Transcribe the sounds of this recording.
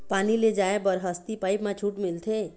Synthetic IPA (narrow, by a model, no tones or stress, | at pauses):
paːniled͡ʒaːebəɾɦəst̪ipaːɪpmãt͡ʃʰuːʈmɪlt̪ʰe